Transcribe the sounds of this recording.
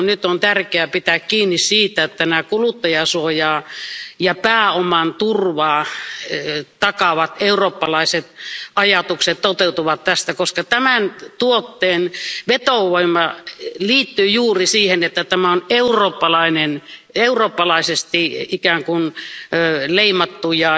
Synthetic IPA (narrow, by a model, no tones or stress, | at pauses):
nyt̪ont̪ærkeæpit̪ækkiːnːissiːt̪æet̪ːænæːˑkulut̪ːɑjɑsuojɑːjɑpæːomɑnt̪urʋɑː | t̪ɑkɑʋɑt̪euroːpːɑlɑiset̪ɑjɑt̪ukset̪t̪ot̪eut̪uʋɑt̪t̪æst̪ækoskɑt̪æmænt̪uot̪ːeːnʋet̪oʋoimɑliːt̪ːyːjuːrisiːhenet̪ːæt̪æmæoneuroːpːɑlɑineneuroːpːɑlɑisest̪iikæːŋkun | leimɑt̪ːujɑ